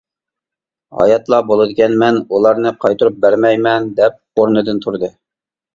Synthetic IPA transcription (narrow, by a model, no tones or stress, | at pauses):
hɑ̰jɑt̪lˠɑbolˠɨd̪ɪkʲɛnmɛnulˠɑɾnɨqʰɑjt̪uɾup̚bæɾmɛjmɛnd̪ɛp̚oɾnɨd̪ɨnt̪ʰuɾd̪ɨ